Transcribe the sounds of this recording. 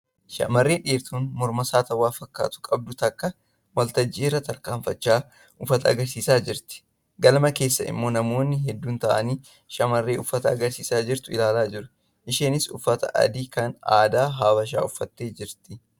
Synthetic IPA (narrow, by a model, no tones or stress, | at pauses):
ʃɐ̰mɐrːeːᶑeːɾt̪uːnmɔɾmɐsaːt̪ɐwaːfɐkːa̰ːt̪ʊ̥kʼɐb̚d̪ʊt̪ɐkːɐ | wɐlt̪ɐd͡ʒːɪrːɐt̪ɐɾkaːmfɐt͡ʃːaː | ʔʊfɐt̪ɐɐɡɐɾsiːsaːd͡ʒɪɾt̪ɪ̥ | ɡɐlmɐke̞ːsːɐɪ̰mːo̞ːnɐmo̞ːnːɪɦɛd̪ːuːnt̪ɐʔɐniː | ʃɐmɐrːe̞ːʊfːɐt̪ɐːɡɐɾsiːsaːd͡ʒɪɾt̪ʊɪlaːlaːd͡ʒɪɾʊ | ʔɪʃeːnɪsʊfːɐt̪ɐ̰ʔɐ̰d̪iːkɐna̰ːd̪aːɦaːbɐʃ̬a̰ːʊfːɐt̪ːe̞ːd͡ʒɪɾt̪ɪ